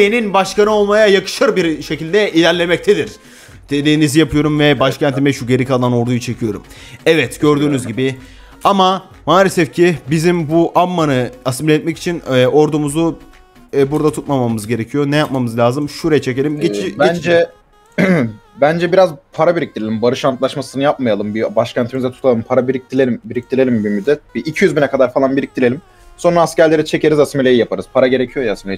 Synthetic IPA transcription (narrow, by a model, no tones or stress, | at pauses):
eninbaʃkanɯo̞lˠmajajakʰɯ̥ʃɯɾbiɾʃe̞cilʲd̪ɛʔilʲæɾlʲe̞mɛc̚t̪ʰed̪iɾ̥ | d̪̥ed̪iːnizijapʰɯjo̞ɾumvɛbaʃcʰænt̪ʰimɛʃuɟe̞ɾicalˠano̞ɾd̪ujut͡ʃʰe̞cʰijo̞ɾṵm | ɛvɛt̪ɟøɾd̪yːnyzɟibɪ | ama | maːlʲɛsɛfcʰibizimbuʔamːanɯasmlʲɛt̪̚mɛci̥t͡ʃʰinɛo̞ɾd̪umuzu | ɛbuɾd̪at̪ʰut̪mamamɯzɟe̞ɾe̞cʰijo̞nɛjap̚mamɯzlʲaːzɯmʃuɾejɛt͡ʃʰe̞ce̞lʲimɟebend͡ʒɛ | bænd͡ʒɛbiɾazpʰaɾabiɾic̚t̪ʰilʲelʲimbaɾɯʃant̪lˠaʃmasɯnɯjap̚majalˠɯmbibaʃcʰænt̪ʰimizɛt̪ʰu̥t̪ʰalˠɯmpʰaɾabiɾic̚t̪ʰilʲelʲimbiɾic̚t̪ʰilʲelʲimbimyd̪ːɛt̪̚biʔicʰijyzbinɛkʰad̪aɾfalˠanbiɾic̚t̪ilʲeim | so̞nɾaːscæɾlʲe̞ɾit͡ʃʰe̞ce̞ɾizasmelʲejijapʰaɾɯz̥pʰaɾaɟe̞ɾecʰijo̞jaːsmelʲe